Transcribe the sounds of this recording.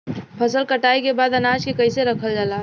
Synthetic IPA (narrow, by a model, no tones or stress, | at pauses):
pʰəsəlkəʈaːikebaːd̪ənaːd͡ʒkekəɪseɾəkʰəld͡ʒaːla